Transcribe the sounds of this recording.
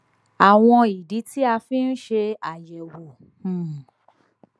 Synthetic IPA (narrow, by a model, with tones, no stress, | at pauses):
a˨w̃ɔ̃˧i˨di˨˦ti˦a˧fĩ˦n̩˦ʃe˧a˨jɛ˨wo˨